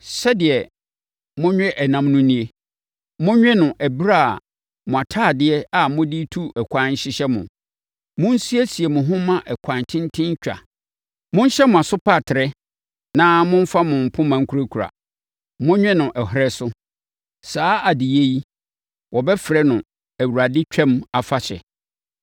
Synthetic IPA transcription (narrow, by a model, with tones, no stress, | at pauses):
sɛ˦dɪ˨ɛ˨ | mʊ̃˦ɲᶣɛ̃˦ʔɛ˨nã˨mnʊ̃˦nĩ˦e˦ | mʊ̃˦ɲᶣɛ̃˦nʊ̃˨ʔæ˨bi˦ɾa̰˦˨ | mʊ̃˨a˨tʰaː˦˨dɪ˦ɛ˦a˨mʊ̃˦di˦tʰu˦ɛ˨kʷʰã˨˦n˦ɕɪ˦ɕɛ˦mʊ̰̃˨ | mʊ̃˦n˦si˦e˦si˨e˨mʊ̃˨ɦʊ̃˦mã˦ʔɛ˨kʷʰã˨ntʰɪ̃˦n˦tʰɪ̃˦ɲ˦t͡ɕᶣa̰˨ | mʊ̃˦n˦ɕɛ˦mʊ̃˨a˨sʊ˦pʰa˦˨tʰɪ˨ɾɛ˦ | nã˦mʊ̃˦ɱ˦fa˦mʊ̃˨m̩˨pʰʊ̃˦mã˨ŋ̩˦kʰu˦ɾa˦kʰu˨ɾa̰˨ | mʊ̃˦ɲᶣɛ̃˦nʊ̃˨ʔɛ˨ɦɾɛ˦sʊ˦ | saː˦a˨dɪ˨je˦ji˦ | wɔ˨bɛ˦fɪ˨ɾɛ˦nʊ̃˨ | æ˨wu˨ɾa˨dɪ˦t͡ɕᶣɛ̃˦ma˨fa˦ɕɛ̰˨